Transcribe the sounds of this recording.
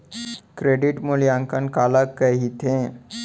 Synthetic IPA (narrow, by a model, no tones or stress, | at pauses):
kɾeɖiʈmoljãŋkənkalakːəɦit̪ʰẽ